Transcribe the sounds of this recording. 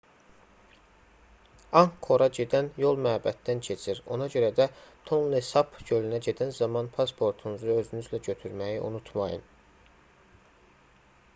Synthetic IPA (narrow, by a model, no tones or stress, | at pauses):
ɑŋkʰːo̞ɾɑɟe̞d̪ænjo̞lˠmæːbæt̪d̪æncʰe̞t͡ʃʰiɾo̞̰nɑɟø̞ɾæd̪æt̪ʰolˠnesɑpʰɟølynæɟe̞d̪ænzɑmɑnpʰɑspʰo̞ɾt̪ʰunuzuø̞zynyzlæɟø̞t̪ʰyɾmæjiʔṵnut̪ʰmɑjɯ̰n